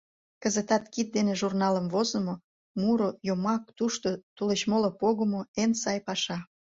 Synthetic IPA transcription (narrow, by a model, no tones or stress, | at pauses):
kəzət̪ɑt̪kit̪̚d̪eneʒurnɑləmvozə̆mo | muɾojomɑk̚t̪uʃt̪ot̪ulet͡ɕmolopoɣəmoensɑjpɑʃɑ